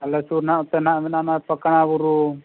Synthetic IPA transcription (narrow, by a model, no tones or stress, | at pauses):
alɛsuɾnaʔut̪ɛnaʔmɛnanapəkaɽ̃abuɾu